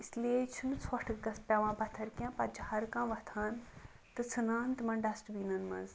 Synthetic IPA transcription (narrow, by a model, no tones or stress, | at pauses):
islet͡ʃʰunt͡sʰwɐʈʰɨkɡɐspʲɛʋãːpɐt̪ʰɐɾkʲãpɐd͡ʒhɐɾkãːʋɐt̪ʰaːn | t̪ɨt͡sʰɨnãːnt̪ɨmɐɳɖɐsʈbinɐnmɐ̰z